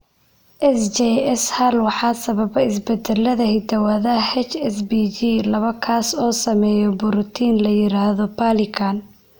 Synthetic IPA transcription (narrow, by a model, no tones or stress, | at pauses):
ʔɛsd͡ʒɛɛshɐlwɑħɑːsɐβɐβɐɪsbɛd̪ɛlːɐðɐhɪd̪ɐwɐðɐhɛt͡ʃɛsbid͡ʒilɐβɐkʰaːsɔːsɐmɛːjɔbʊɾʊt̪ʰiːnlɐjɪɾaːhðɔpʰalɪkʰan